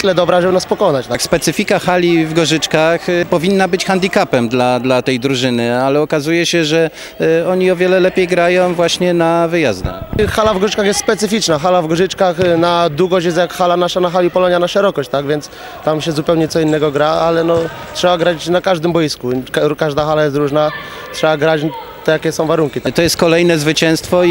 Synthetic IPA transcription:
t̪lɛd̪ɔbɾaʒɛwnaspɔkɔnat͡ɕt̪akspɛt̪sɘfʲikaxalʲivɡɔʐɘt͡ʂkaxpɔvʲinːabɘt͡ɕxand̪ikapɛmd̪lad̪lat̪ɛjd̪ɾuʐɘnɘalɛɔkazujɛɕɛʐɛ | ɔɲiɔvʲjɛlɛlɛpʲjejɡɾajɔ̃w̃vwaɕɲɛnavɘjazd̪a̰xxalavɡɔʐɘt͡ʂkaxjɛst̪spɛt̪sɘfʲit͡ʂnaxalavɡɔʐɘt͡ʂkaxnad̪uɡɔɕt͡ɕjɛst̪jakxalanaʂanaxalʲipɔlɔɲjanaʂɛɾɔkɔɕt͡ɕt̪aɡvʲjɛnt̪s | t̪amɕɛzupɛwɲɛt̪sɔinːɛɡɔɡɾaalɛnɔ | tʂɛbaɡɾat͡ɕnakaʐd̪ɘmbɔjiskukkaʐd̪axalajɛs̬t̪ɾuʐna | tʂɛbaɡɾat͡ɕ | t̪ɛjakʲɛsɔ̃w̃vaɾuŋkʲit̪ɔjɛst̪̚kɔlɛjnɛzvɘt͡ɕɛ̃st̪fɔ

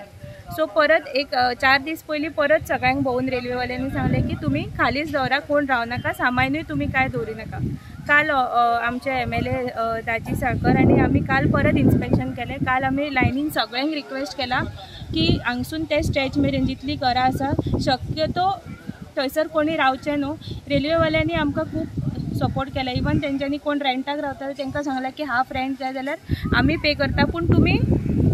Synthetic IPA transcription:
sɔpəɾət̪ekt͡ɕaɾd̪iːspəjliːpəɾət̪səɡɭãŋkbʱəuːnɾelʋeʋəljanisãŋɡlẽkiːt̪um̤iːkʰaliːt͡sd̪əʋɾakoɳɾaʋnakasamajnəjt̪um̤iːkajd̪ʱoɾiːnaka | kalamt͡ɕeemelet̪ad͡ʑiːsakəɾaɽ̃iam̤iːkalpəɾət̪inspekɕənkɛlɛkalam̤ilajniŋsəɡɭãŋkɾikʋesʈkɛla | kiːãŋɡsuːnt̪esʈet͡ɕmeɾẽɲd͡ʑit̪liːkəɾaːsaɕəkjət̪ɔt̪əjsəɾkoɽ̃iːɾawt͡ɕɛnoɾelʋeʋaljaniːamkakʰuːpsəpoɾʈkɛlaiʋənt̪jãɲt͡ɕjaniːkoɳɾeɳʈakɾaʋt̪at̪t̪jɛ̃ŋkasãŋɡlakiːɦafɾeɳɖkajd͡zaljaɾa̰m̤iːpekəɾt̪apəɳt̪um̤iː

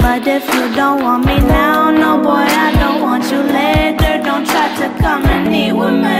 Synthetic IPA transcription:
b̥ʌɾɪfjɨdõʊ̃nʔ̚wɑ̃nminaʊnoʊbɔɪaɪdõʊ̃nʔ̚wɑ̃nt͡ʃɨlɛðə˞dõʊ̃ntʰɹ̥aɪɾɨkʰʌ̃mɨ̃nːiwɪmɨ̃

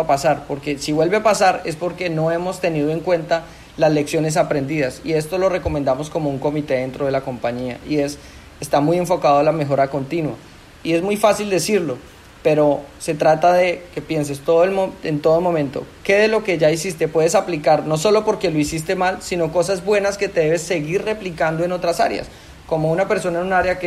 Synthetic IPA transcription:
pasaɾpo̞ɾke̞siβwe̞lβe̞apasaɾe̞spo̞ɾke̞no̞e̞mo̞st̪e̞niðoe̞ŋkwe̞nt̪a | lasle̞ksjo̞ne̞s̬apɾe̞nd̪iðasḭe̞st̪o̞lo̞re̞komend̪amo̞sko̞mo̞uŋko̞mit̪e̞ðe̞nt̪ɾoð̞e̞lako̞mpaɲia̰ie̞s | est̪amuje̞ɱfo̞kaðoalame̞xo̞ɾako̞nt̪inwa̰ | ie̞zmujfasild̪e̞siɾlo̞ | pe̞ɾo̞se̞t̪ɾat̪aðe̞ke̞pje̞ns̬e̞st̪o̞ðoe̞lmoent̪o̞ð̞omõ̞mẽnt̪o̞̰ke̞ðelo̞ke̞ʝaisist̪e̞pwe̞ð̞esaplikaɾno̞so̞lo̞po̞ɾke̞lo̞isis̬t̪e̞malsino̞ko̞sazbwe̞naske̞t̪e̞ðe̞βe̞sːe̞ɣirre̞plikand̪oeno̞t̪ɾasa̰ɾj̰a̰s | ko̞mo̞unape̞ɾso̞naenunaɾjake

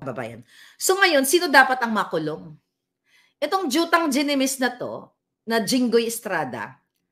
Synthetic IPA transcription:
bɐba̰ːjɐ̰n | so̞ŋɐjo̞nsiːno̞d̪aːpɐt̪ɐŋmɐkʊlo̞ŋ | ʔɛt̪o̞ŋd͡ʒuːt̪ɐŋd͡ʒɛnɛmɪsnɐt̪o̞̰ | nɐd͡ʒɪŋɡojɪst̪ɾaːd̪ɐ̰

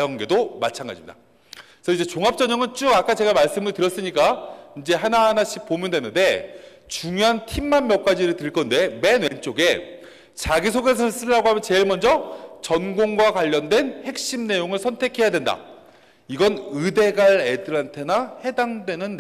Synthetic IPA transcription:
jʌŋɡe̞domat͡ɕʰanɡa̰d͡ʑimɲid̥a̰ | sʰʌid͡ʑe̞t͡ɕoŋap̚t͡ɕ͈ʌɲʌŋɯnt͡ɕ͈uɡak͈at͡ɕe̞ɡamaɭs͈ɯmɯɭtɯɾjʌs͈ɯɲik͈aind͡ʑe̞ɦanaɦanaɕʰik̚p͈omjʌndwenːɯnde̞ | t͡ɕuŋjoɦantʰimːamːjʌk͈̚ad͡ʑiɾɯɭtɯɭk͈ʌnde̞me̞nwe̞nt͡ɕ͈oɡe̞ | t͡ɕaɡisʰoɡe̞s̬ʰʌs͈ɯɭːaɡoɦamjʌnt͡ɕe̞ɭmʌnd͡ʑʌt͡ɕʌnɡoŋɡwakwaʎːʌndwe̞nhe̞k̚ɕ͈imne̞joŋɯɭsʰʌntʰe̞kʰe̞jadwe̞nda̰ | iɡʌnɯde̞ɡaɾe̞dɯɾantʰe̞nahe̞daŋdwe̞nɯnː

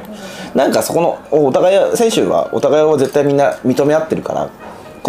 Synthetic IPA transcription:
nãŋkaso̞ko̞no̞oːot̪aɡaisẽ̞ɰ̃ɕɨ̰ːβa̰o̞̰t̪aɡajiβaze̞t̪ːaimʲĩnːamʲit̪o̞me̞at̪ːe̞ɾɯ̟ka̰ɾa̰ | ko

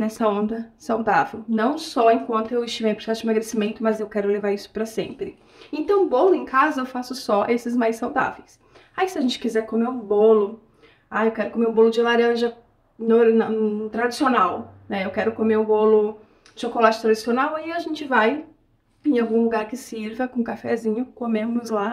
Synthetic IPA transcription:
nɛsɐõnd̪ɐsawd̪avewnɐ̃w̃sɔẽkwɐ̃nt̪ʊewɪst͡ʃimejpɾoɾsɛsʊd͡ʒɪmeɐɡɾesimẽnt̪ʊmɐzewkɛɾʊlevaɾisʊ̥pɾɐsḛ̃mpɾɪ | ẽt̪ɐ̃w̃bolʊẽkazɐewfasʊsɔʔesɪzmajsawd̪a̰vejs | aisɪɐʒẽnt͡ʃɪ̥kizɛɾkomeɾũbolʊ | aewkɛɾʊkomeɾũbolʊd͡ʒɪlaɾɐ̃ʒɐ | noɾnɐt̪ɾad͡ʒisionawnɛewkɛɾʊkomeɾũbolʊ | ɪʃokolat͡ʃɪ̥t̪ɾad͡ʒɪsionawiaʒẽnt͡ʃɪvaj | ẽj̃awɡũlʊɡaɾkɪsiɾvɐkõkafɛzĩɲʊkomẽʊzla

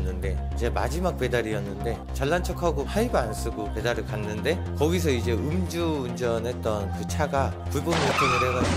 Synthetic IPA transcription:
nːɯnde̞id͡ʑe̞mad͡ʑimak̚p͈e̞daɾijʌnːɯnde̞ | t͡ɕaɭːant͡ɕʰʌkʰaɡohʰaibans͈ɯɡope̞daɾɯɭkanːɯnde̞ | kʌɡisʰʌid͡ʑe̞ɯmd͡ʑuːnd͡ʑʌnɦe̞t̚t͈ʌnkɯt͡ɕʰaɡa | puɭboniʌkʰenuɾeɡa

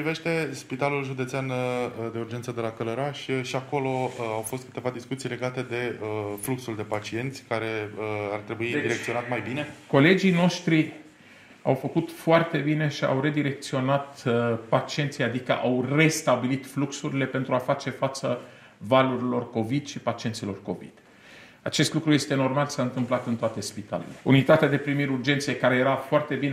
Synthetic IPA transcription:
pɾive̞ʃt̪e̞spit̪alulʒud̪et̪seand̪eurd͡ʒent̪səd̪e̞lakələɾaʃʲʃiako̞lo̞awfo̞st̪̚kɨ̥t̪e̞vad̪iskut̪sijle̞ɡat̪e̞d̪e̞əfluksuld̪e̞pat͡ʃie̞nt̪sʲkaɾe̞əart̪ɾe̞buid̪iɾek̚t̪sio̞nat̪majbine̞ko̞le̞d͡ʒijno̞ʃt̪ɾi | a̰wfəkut̪foart̪e̞bine̞ʃia̰wɾe̞d̪iɾe̞k̚t̪sio̞nat̪pat͡ʃie̞nt̪sijad̪ikə̰ʔawre̞st̪abilit̪fluksuɾile̞pe̞nt̪ɾuafat͡ʃe̞fat̪sə | valuɾilo̞rko̞vid̪ʃipat͡ʃie̞nt̪silo̞rko̞vḭd̪̥ | at͡ʃe̞st̪lukɾuje̞st̪eno̞rmalsaɨnt̪ɨmplat̪ɨnt̪oat̪e̞spit̪a̰le̞̰le̞ṵnit̪at̪ead̪e̞pɾimiɾurd͡ʒe̞nt̪sijekaɾe̞jeɾafoart̪e̞bin

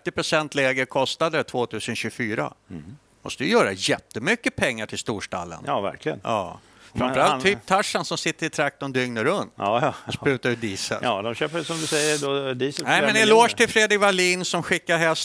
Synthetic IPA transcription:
t̪ːɪpɾʊsɛnt̪ʰlɛːɡəɾkʰɔst̪ad̪ət̪ʰv̥oːt̪ʰʉ̟ːsənɕɵfyːɾa̰ | mɔ̰st̪ədjəjœːɾa̰jɛt̪ːəmʏkːəpʰɛŋːaʈʰɪlst̪uːʂʈa̰lːə̰nɑvæ̰ɾklɪɡənɑ̰ː | fɾamfəɾalt̪ʰːyːp̚t̪ʰaʂːansɔmsɪt̪ːəɾɪt̪ʰɾak̚t̪ɔnd̪ʏŋnəɾɵnt̪ːɔspɾʉ̟ːt̪aɾʉd̪iːsə̰lːd̪ɔmɕøːpəsɔmd̪ɵsɛjːəɖod̪iːsnɛɪɛnɛloːʂt̪ʰɪlfɾeːd̪ɾɪkvaɭiːnsɔmɧɪkːaɾɦɛs

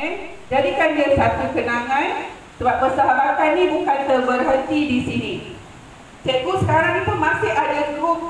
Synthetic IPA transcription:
ɛ | d͡ʒadikandiasat̪ukənãŋãn | səbap̚pərsaɦabat̪annĩbukant̪ərbərɦənt̪idisinĩ | t͡ʃɛɡusə̥kaɾaŋĩt̪umãsɪhadaəkʊ

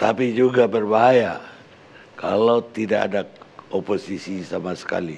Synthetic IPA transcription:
t̪apid͡ʒuɡabərbaɦaja | kalawt̪idaka̰dakoposisisamasə̥ka̰li

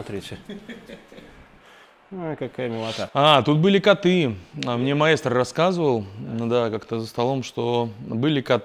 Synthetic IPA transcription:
ɐt̪ɾʲitʲɪ | ojkɐkajəmʲɪlˠɐt̪aat̪ut̪̚bɨlʲɪkɐt̪ɨamnʲemɐest̪rːɐskazɨvəlˠd̪akakt̪əzəst̪ɐlˠo̞mʂt̪obɨlʲɪkɐt̪

